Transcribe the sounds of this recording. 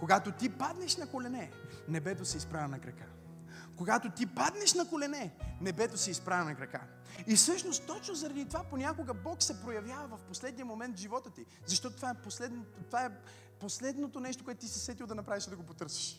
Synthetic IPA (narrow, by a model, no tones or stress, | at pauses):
koɡat̪ot̪ipad̪nɛʃnɐkolɛnɛnɛbɛt̪osɛispɾavɛnɐkɾɐka | koɡat̪ot̪ipad̪nɛʃnɐkolɛnɛnɛbɛt̪osiispɾavɛnɐkɾɐka | ifsɤʃnost̪ːɔt͡ʃnozɐɾɐd̪it̪ovaponʲakoɡəbɔksɛpɾojɐvjavɐvɐfposlɛd̪nijəmomɛnt̪ʒivɔt̪ət̪i | zɐʃt̪ɔt̪ot̪ovaɛposlɛd̪not̪ot̪ovaɛ | poslɛd̪not̪onɛʃt̪okʊɛt̪ʊt̪isisvɛt̪ilˠd̪ɐnɐpɾaviʃd̪ɐɡopot̪ɤɾsə̥ʃ